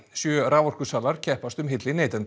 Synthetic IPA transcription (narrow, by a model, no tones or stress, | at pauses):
sjœːɾaːvɔr̥kʏsaːlaɾ̥cʰɛhpast̪ʏmɦɪt̪lɪneːjt̪ɛn